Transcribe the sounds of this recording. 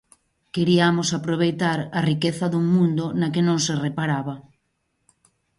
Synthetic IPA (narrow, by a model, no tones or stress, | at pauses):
keɾiamosapɾoβ̞ejt̪aɾarikeθɐðuŋmũnd̪onakenõŋserepaɾaβɐ